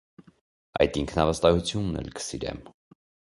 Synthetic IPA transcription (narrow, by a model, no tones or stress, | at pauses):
ɑ̰jt̪iŋkʰnɑvəst̪ɑhut͡sʰjunːɛ̰lkə̥siɾɛ̰m